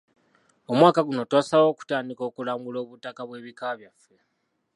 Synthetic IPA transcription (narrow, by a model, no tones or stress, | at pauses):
o̞mwaːkaɡuno̞twaːsawo̞ːku̥taːndiko̞ːkulaːŋɡulo̞ːβutakaβwe̞ːβikaβjafːe̞